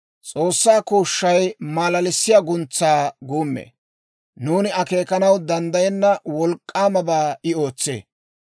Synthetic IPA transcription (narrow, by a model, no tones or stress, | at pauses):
t͡sʼo̞ːsːaːkuːʃːɐjmaːlɐlɪsːɪjaɡʊnt͡sːaːɡuːmːḛː | nuːnɪɐke̞ːkɐnɐwd̪ɐnd̪ɐjɛnːɐwɔlkʼːaːmɐbaːɪo̞ːt͡sːḛː